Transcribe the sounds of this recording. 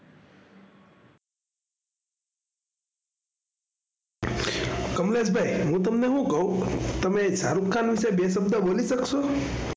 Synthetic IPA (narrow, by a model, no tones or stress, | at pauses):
kəmlesbʱaiɦũt̪̬əmneɦũkəɦũt̪əmẽsaɾukʰːanʋisebesəb̚d̪əbolisəkso